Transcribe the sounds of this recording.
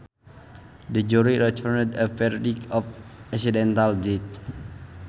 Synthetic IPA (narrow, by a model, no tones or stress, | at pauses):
dəd͡ʒuɾiɾɛt͡ʃɔnəd̪əfɛɾdikɔfɛksidɛnt̪aldit̪̚